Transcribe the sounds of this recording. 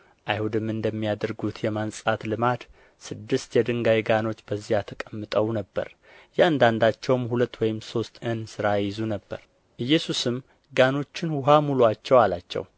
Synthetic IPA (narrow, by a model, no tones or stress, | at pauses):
ʔajhud̪ɨmɨnd̪əmːijad̪əɾɡut̪ʰjɛmansʼat̪lɨmad̪ | sɨd̪ːɨst̪jɛd̪ɨŋɡajɡano̞t͡ʃːbəzːijat̪ʰəkʼəmːɨt̪ʼəwnəbːə̰ɾ | jɛand̪and̪at͡ʃːɛwmhulət̪ːwɔjɪmso̞st̪ʰɨnsɨɾajɪzunəbːə̰ɾ | ʔɨjːɛsusɨm | ɡano̞t͡ʃːɪnwʊɦamuluat͡ʃːɛwalat͡ʃːɛ̰w